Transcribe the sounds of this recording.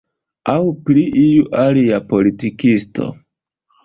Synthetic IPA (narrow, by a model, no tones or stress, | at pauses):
awpliʔijuʔaliapo̞litikisto̞̰